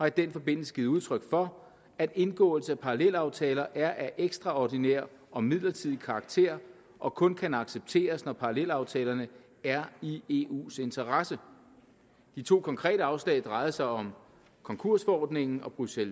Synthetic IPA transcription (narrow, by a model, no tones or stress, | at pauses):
hɑ̈id̥enfɒ̽b̥e̝n̰l̩sə̥ɡ̥iːð̩ˠuðˠt͡sʰʁœɡ̥fɒ̽ | æd̥e̝nɡ̥ɔ̰̽ːl̩səæpʰɑ̈ʁɑlel̰ɑ̈ʊt͡sʰɛːlɐʔæɐʔæʔeɡ̥sd̥ʁɑ̈ɒd̥inɛɐ̰ɒ̽mið̞̰ˠlɐt͡sʰiðˠikʰɑ̈ɡ̥̚t͡sʰe̝ɐ̰ | ʔɒ̽kʰɔ̽nkʰænɑ̈ɡ̥seb̥̚t͡sʰe̝̰ːɐsnɒpʰɑ̈ʁɑlel̰ɑ̈ʊt͡sʰɛːlɐnə | æɐie̝ṵːse̝nt͡sʰɐʁasə | d̥it͡sʰo̝̰ːkʰɒ̽ŋkʰʁɛ̰ːɾəɑ̈ʊslɛ̰ɪd̥ʁɑ̈ɪð̩ˠsɑ̈ɪɒ̽m | kʰɒ̽ŋkʰu̝ɐ̰sfɒɒ̰ːd̥ne̝ŋn̩ɒ̽b̥ʁusel